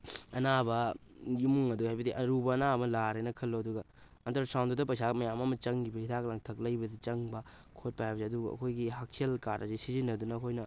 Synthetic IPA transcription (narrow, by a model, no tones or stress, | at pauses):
ɐnabɐjumuŋɐduhajbɐdiʔɐɾubɐːnabɐlaɾenɐkʰɐlːoɐduɡɐ | ɐntɐɾsawndudɐpɐjsamɐjamɐmɐt͡ʃɐŋɡibɐhitʰak̚laŋtʰɐk̚lɐjbɐdit͡ʃɐŋbɐ | kʰot̚pajabɐseɐduɡɐ̰kʰojɡiɦak̚sielkaɾɐsesizinːɐdunɐːkʰojnɐ